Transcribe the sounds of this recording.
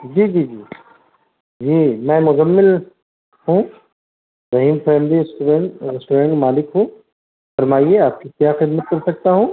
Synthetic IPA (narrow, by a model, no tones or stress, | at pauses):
d͡ʒiːd͡ʒiːd͡ʒiː | d͡ʒiːmɛ̃ːmʊzɐmːɪl | hũː | ɾɐɦiːmfɛːmliɪsʈɾeɳɾɪsʈoɾẽːɳʈmaːlɪkɦũː | fɐɾmaːieaːp̚kikjaːxɪd̪mət̪̚kɐɾsɐk̚t̪aɦũː